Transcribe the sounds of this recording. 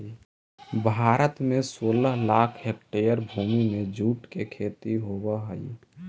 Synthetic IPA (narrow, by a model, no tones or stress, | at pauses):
bʱaːɾət̪mẽsoːləɦlaːkʰɦek̚ʈejəɾbʱuːmimẽd͡ʒuːʈkekʰeːt̪iɦobəɦəi